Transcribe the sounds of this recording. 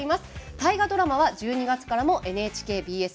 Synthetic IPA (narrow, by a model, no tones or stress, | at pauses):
imasɨ̥t̪aiɡad̪o̞ɾamaβad͡ʑɨːɲ̟iɡat͡sɨ̥kaɾamo̞ʔe̞nɯ̟e̞ːt͡ɕi̥ke̞ːbʲiːe̞s